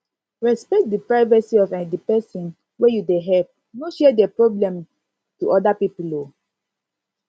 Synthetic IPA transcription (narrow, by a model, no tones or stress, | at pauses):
ɹɛspɛk̚t̚dipɹaɪvasiɔvɛ̃dipɛsɔ̃n | wejudeɦɛp̚ | noʃɛdɛpɹɔblɛ̃m | tuʔɔdapipulo